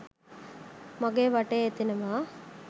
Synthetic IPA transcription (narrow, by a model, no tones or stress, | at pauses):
mɐɡeʋɐʈeet̪ːinɐʋaː